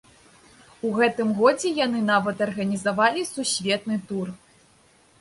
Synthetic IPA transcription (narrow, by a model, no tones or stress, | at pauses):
uɣɛt̪ɨmɣɔd͡zʲɛjanɨnavɐt̪ɐrɣɐnʲizavalʲisusʲvʲɛt̪nɨt̪ur